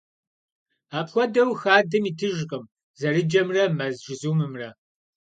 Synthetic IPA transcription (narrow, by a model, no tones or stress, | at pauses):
aːpxʷɔdɐwxaːdɨmiːtʰɨʒqʼəm | zɐrɨd͡ʒɐmrɐmɐzʒɪzuːmɨmrɐ